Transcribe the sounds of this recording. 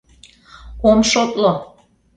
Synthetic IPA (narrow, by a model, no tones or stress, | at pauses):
komʃot̪lo